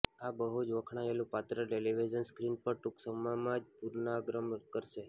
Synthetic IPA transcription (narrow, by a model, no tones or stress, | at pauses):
abəɦud͡ʒʋəkʰɽ̃aelũpat̪ɾəʈeliʋid͡ʒənskɾinpəɾʈuksəmamãd͡ʒpuɾnaɡɾəmkəɾʃe